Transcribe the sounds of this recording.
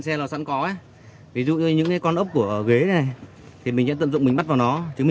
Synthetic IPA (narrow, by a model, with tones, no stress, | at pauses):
nsɛ˧lɔː˨˩sa̰˧˥nkɔ˨˦ʔa˨˦ | vi˨˦zṵ˧˨˧ɲɨ̰˧˥ŋkaː˨˦jkɔ˧nʔə˦˥p̚ku˧˩əʔɣe˨˦˨na˨˩j | t̪ʰi˨˩mï˨˩ŋ̟za̰˧˥ə̰˧˨nzʊ̰˧˨ŋ͡mmï˨˩ŋ̟ɓa˦˥t̚vaː˨˩wnɔ˨˦t͡ɕɨ˨˦m˨